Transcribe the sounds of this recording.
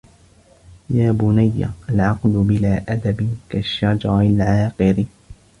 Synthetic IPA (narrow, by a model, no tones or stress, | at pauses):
jaːbʊnajːa̰ʔalʕɑqlʊbɪlaːʔad̪abɪkaʃːad͡ʒɑɾˤɪlʕɑːqɨɾɪ